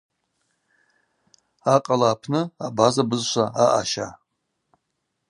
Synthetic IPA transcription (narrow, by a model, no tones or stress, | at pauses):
aqʼalaːpʰnɨabazabɨzʃʷaaʔaʃa